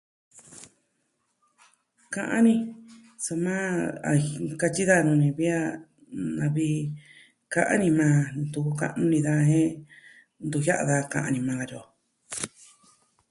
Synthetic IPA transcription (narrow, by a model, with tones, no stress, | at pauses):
kã˧ʔã˦nĩ˧ | so˧mãː˦a˨˧ka˧t͡ʃi˦ða˦˨˧nũ˧nĩ˧βi˦a˦ | nã˧βi˦˧ | ka˧ʔa̰˦nĩ˧mãː˧ñ˧t̪u˧ku˧ka̰˦ʔnũ˦nĩ˧ða˧ɦẽ˦ | nd̪u˧ja˦ʔa̰˧ða˧kã̰˧˨ʔã̰˧nĩ˧mã˧ka˧jo˨